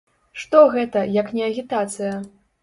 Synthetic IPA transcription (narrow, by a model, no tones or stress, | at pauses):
ʂt̪ɔɣɛt̪ɐjɐknʲɛɐɣʲit̪at̪sɨjɐ